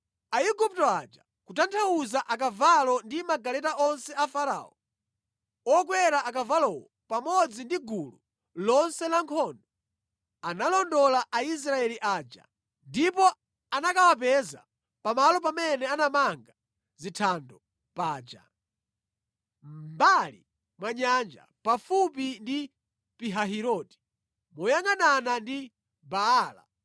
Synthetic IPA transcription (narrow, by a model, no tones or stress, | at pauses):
aiɡup̚tɔad͡ʒa | kutantʰawuzaʔak̬avalɔndimaɡalɛtaʔɔnsɛafaɾa̰ɔ | ɔk̬wɛɾaʔakavalɔwɔ | pamɔd͡zindiɡulu | lɔnsɛlaŋkʰɔndɔ | analɔndɔlaʔais̬ɾaɛliʔaːd͡ʒa̰ | ndipɔ | anakawapɛza̰ | pamalɔp̬amɛnɛanamaŋɡa | zitʰandɔ | paːd͡ʒa̰ | mbalḭ | mwaɲand͡ʒa̰pafup̬indi | piɦaɦiɾɔːti̥ | mɔjaŋananandi | baaːla̰